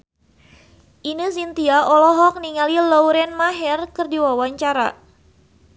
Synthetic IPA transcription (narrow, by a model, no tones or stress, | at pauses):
ʔinəs̬int̪iaʔɔlɔɦɔk̚niŋalilɔuɾɛnmaɦɛrkɨrdiwawaɲt͡ʃaɾa̰